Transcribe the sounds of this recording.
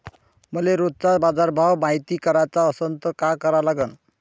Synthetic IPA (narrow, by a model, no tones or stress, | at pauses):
mʌleɾot͡sabad͡zaɾbʱawmajt̪ikʌɾat͡saʌsʌnt̪ɔkakʌɾalaɡʌn